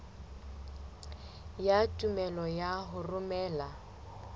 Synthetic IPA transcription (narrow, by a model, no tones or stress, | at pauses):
jatʼumɛlɔjaɦʊrʊmɛːla